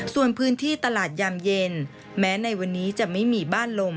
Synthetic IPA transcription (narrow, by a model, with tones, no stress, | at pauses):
su˨˩ənpʰɯː˦˥nt̪ʰiː˥˩t̪a˧laː˨˩t̪̚ja˧mje˧n | mɛː˦˥na˧jwa˧nːiː˦˥t͡ɕa˨˩ma˥˩jmiː˧baː˥˩nlo˧m